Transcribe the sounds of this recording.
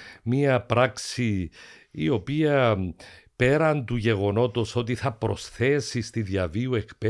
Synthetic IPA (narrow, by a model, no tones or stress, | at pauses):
miɐpɾɐksi | ḭo̞piɐ | pe̞ɾɐnd̪uʝe̞ɣo̞no̞t̪o̞so̞t̪iθɐpɾo̞sθe̞sist̪iðjɐviue̞kpe